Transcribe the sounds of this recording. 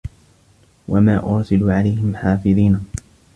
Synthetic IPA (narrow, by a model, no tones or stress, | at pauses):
wamaːʔʊɾsɪluʕalajhɪmħaːfɪðˤiːn